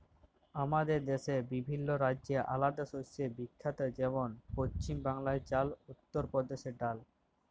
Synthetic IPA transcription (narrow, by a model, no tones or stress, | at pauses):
amad̪eɾd̪eʃebibʱinːoɾadʑeʔa̰lad̪aʃosebikʰːat̪ad͡ʑɛbonpost͡ɕimbaŋlaet͡ɕalut̪ːoɾpɔd̪eʃeɖal